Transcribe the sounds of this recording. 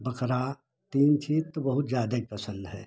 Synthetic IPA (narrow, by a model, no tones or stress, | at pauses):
bəkɾa | t̪iːnt͡ʃʰiːt̪ːobɐɦʊt̪zjaːd̪aipəsə̃nd̪ɦɛː